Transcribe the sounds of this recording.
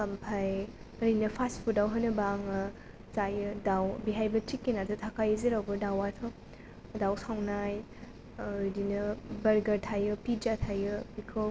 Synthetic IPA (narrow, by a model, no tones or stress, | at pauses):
kɐmpʰaj | ɐɾinɐpʰaspʰudawɦanɯbaŋɯ | zajɯdawbiɦajbɐtɾikːinatɯtʰakʰajɯzeɾawbɯdawatʰɔ | dawsawnaj | dinɯbɐɾɡɐɾtʰajɯpid͡ʒatʰajɯbikʰɯ